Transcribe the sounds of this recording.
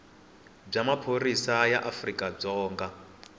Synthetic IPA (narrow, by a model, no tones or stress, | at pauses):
b͡ʐamapʰoɾisajaʔafrikʼab͡ʐɔːŋɡa